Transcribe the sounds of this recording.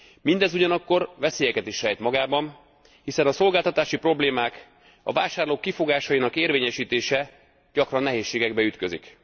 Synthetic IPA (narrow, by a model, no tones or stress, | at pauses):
mind̪ɛzuɟɒnɒkːo̞rvɛseːjɛkɛt̪iʃrɛjt̪mɒɡaːbɒm | hisɛnɒso̞lɡaːlt̪ɒt̪aːʃipro̞bleːmaːk | ɒ̰vaːʃaːrloːkːifo̞ɡaːʃɒjinɒkeːrveːɲɛʃiːt̪eːʃɛ | ɟ̥ɒkrɒnːɛɦeːʃːeːɡɛɡbɛyt̪kø̞zḭk